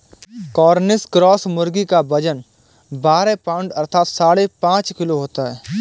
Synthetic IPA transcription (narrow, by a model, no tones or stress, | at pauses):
kɔːɾnɪskɾɔːsmʊɾɡikabɐd͡ʒən | baːɾepaːʊ̃ɳɖɐɾt̪ʰaːt̪saːɽepãːt͡ʃkɪloɦoːt̪aɦɛː